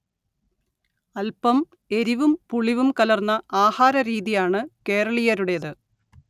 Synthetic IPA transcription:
ɐlpɐm | e̞ɾiʋumpuɭiʋumkɐlɐrnːɐaːhaːɾɐɾiːðijaːɳɨke̞ːrɐɭijɐɾuɽe̞ðɨ

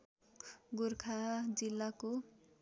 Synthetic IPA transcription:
ɡurkʰad͡zilːako

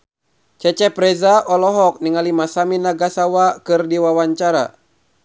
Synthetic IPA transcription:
t͡ʃɛt͡ʃɛpɾɛzaʔɔlɔɦɔk̚niŋalimasaminaɡasawakɨrdiwawaɲt͡ʃaɾa̰

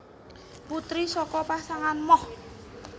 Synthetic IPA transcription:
put̪ɾisɔkɔpasaŋanmɔh

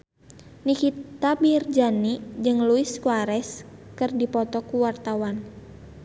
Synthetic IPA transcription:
nikit̪abird͡ʒanid͡ʒɨŋluɪskuaɾɛskɨrdipɔt̪ɔkuwart̪awan

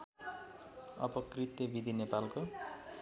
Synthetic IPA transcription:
ʌ̰pʌkrit̪jʌbid̪ʱinepalko

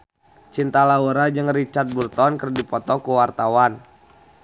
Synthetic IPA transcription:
t͡ʃint̪alauɾad͡ʒɨŋrit͡ʃat̪̚burt̪ɔnkərdipɔt̪ɔkuwart̪awan

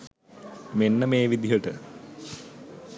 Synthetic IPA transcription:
menːəmeːʋid̪ijəʈə

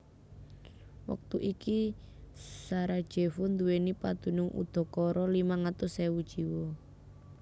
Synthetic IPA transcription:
wa̰k̚t̪uʔiki | saɾad̥ʒ̥e̤fʊnd̪uwenipad̪̥ṳnʊŋṵd̪̥ɔ̤kɔɾɔlimaŋat̪ʊsewud̥ʒ̥iwɔ

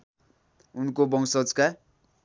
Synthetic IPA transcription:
unkobʌŋsʌd͡zka

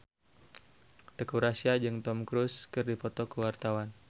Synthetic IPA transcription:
t̪ekuɾasiad͡ʒɨŋt̪ɔmkɾuskɨrdipɔt̪ɔkəwart̪awan

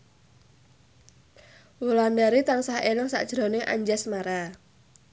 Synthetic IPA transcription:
wulandaɾit̪aŋsahelɪŋsa̰ʔd̥ʒ̥ɾo̤nɪŋʔa̰ɲd͡ʒɛsmaɾa

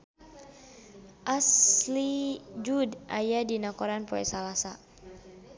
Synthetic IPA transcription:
ʔaslid͡ʒudʔajadinakɔɾanpɔɛ̰salasa

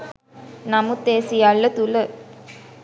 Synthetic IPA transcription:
namut̪eːsijaɭːət̪ulə

